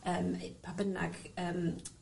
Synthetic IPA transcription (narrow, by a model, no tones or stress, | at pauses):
əːmpʰabəna̰ɡ̥əːm